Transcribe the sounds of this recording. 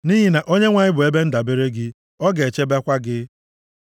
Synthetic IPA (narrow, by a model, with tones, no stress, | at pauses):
ni˦ɦi˦na˨ʔo˦ɲe˦ŋʷa˨ɲɪ˦bʊ˨e˦be˦n̩˦da˨be˦ɾe˦ɡɪ˦ | ɔ˦ɡe˨e˨t͡ʃe˦ba˦kʷa˦ɡɪ˦